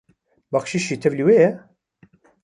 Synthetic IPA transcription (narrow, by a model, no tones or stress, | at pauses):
bɑxʃiːʃiːt̪ʰɛvliːweːjɛ